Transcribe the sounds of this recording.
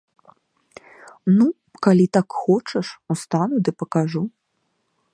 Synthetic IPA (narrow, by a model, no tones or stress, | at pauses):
nu | kalʲit̪akxɔt͡ʂɐʂust̪anud̪ɨpɐkaʐu